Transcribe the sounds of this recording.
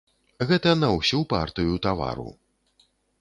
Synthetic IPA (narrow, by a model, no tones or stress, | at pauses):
ɣɛt̪ɐnɐwsʲupa̰rt̪ɨjut̪ava̰ɾṵ